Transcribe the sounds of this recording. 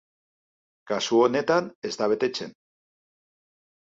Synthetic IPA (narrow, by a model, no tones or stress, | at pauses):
kasuone̞t̪ane̞zt̪aβ̞e̞t̪e̞t͡se̞̰n